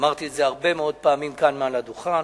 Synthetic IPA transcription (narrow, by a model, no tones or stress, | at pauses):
maʁt̪ietzeaʁbe̞meo̞d̪̚paːmimkanmealad̪uχan